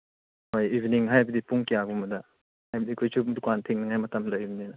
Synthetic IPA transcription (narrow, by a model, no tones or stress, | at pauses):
hojibiniŋɦajabɐdipuŋkijabumɐdɐ | hajbɐdikʰojsʰudukantʰiŋnɐŋajmɐtɐmlajbninɐ